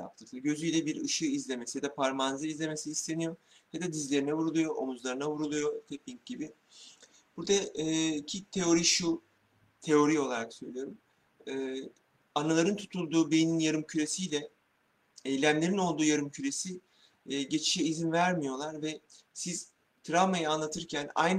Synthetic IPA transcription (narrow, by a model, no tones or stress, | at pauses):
ja̰p̚t̪ʰɯklˠɯɟø̞zyjlʲɛbiɾɯʃɯizlʲe̞mesijad̪apʰaɾmanzɯizlʲe̞me̞siːst̪ʰe̞nijo̞ | jad̪ad̪izlʲe̞ɾinɛvuɾulˠujo̞ʔomuzlˠaɾɯnavuɾulˠujo̞t̪ʰep̚ʲiɲc̚ɟ̥ibɪ | b̥uɾd̪aicʰit̪ʰe̞o̞ɾiʃu | t̪ʰe̞o̞ɾio̞lˠaɾaksø̞jlʲijoɾum | ɛː | analˠaɾɯnt̪ʰu̥t̪ʰulˠd̪uːbejininjaɾɯmcʰyɾe̞sijlʲɛ | ejlʲæmlʲe̞ɾino̞lˠd̪uːjaɾɯmcʰyɾe̞si | ɟe̞t͡ʃʰi̥ʃɛizinvæɾmijo̞lˠaɾvɛ | siz̥ | t̪ʰɾavmajɯanlˠat̪ʰɯɾcʰæna̰jn